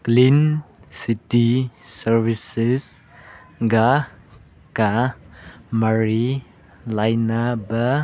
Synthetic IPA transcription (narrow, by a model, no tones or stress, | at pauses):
klinsitisɐɾbisis | ɡa | ka | maɾi | lajnaba